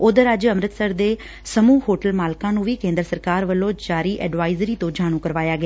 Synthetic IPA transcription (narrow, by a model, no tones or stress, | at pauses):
oːd̪əɾəd͡ʒəmɾət̪səɾd̪eː | səmuːɦoːʈəlmaːlkãːnũːʋiːkẽːnd̪ɾəsəɾkaːɾʋəlːõːd͡ʒaːɾiːʔɛːɖʋaːɪzɾiːt̪õːd͡ʒaːɽ̃ũːkəɾʋaːjaːɡɪaː